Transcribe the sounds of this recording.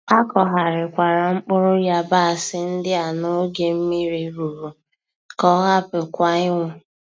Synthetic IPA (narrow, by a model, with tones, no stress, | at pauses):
a˦kɔ˨ɦa˨ɾɪ˨kʷa˨ɾa˨ŋ͡m̩˦k͡pʊ˦ɾʊ˦ja˦ba˦a˨sɪ˦n̩˦dɪ˦a˨no˦ɡe˨m̩˦mi˦ɾi˦ɾu˨ɾu˨ | kɔ˦ɣa˦pɪ˨kʷa˨ɪ˦ŋʷʊ˨